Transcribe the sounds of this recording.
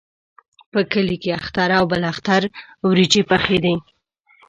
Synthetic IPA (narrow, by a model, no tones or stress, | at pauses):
pəkəlikeaxt̪aɾawbəlaxt̪aɾwɾit͡ʃepaxed̪e